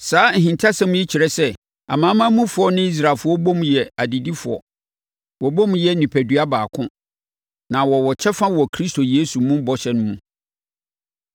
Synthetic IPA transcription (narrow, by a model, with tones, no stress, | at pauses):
saː˨˦˨ɦĩ˨ntʰa˦sã˦m̃˦ji˦t͡ɕʰi˨ɾɛ˦sɛ˦ | a̰˨mãː˨˦mã˦mũ˦fʊ˨˦ɔ˦nɪ̃˦i˦s̬ɾa˨lfʊ˦ɔ˦bɔ̃˦mjɛ˨a˨di˨di˦fʊ˨ɔ̰˨ | wɔ˨bɔ̃˦mjɛ˦nĩ˨pʰæ˨dɥa˦baː˨kʰʊ̃˦ | nã˨wɔ˨wɔ˨t͡ɕʰɛ˦fã˦wɔ˨kʰɾi˦sto˨jeː˦su˨˦mũ˦bɔ˨ɕɛ˨nʊ̃˦mũ˨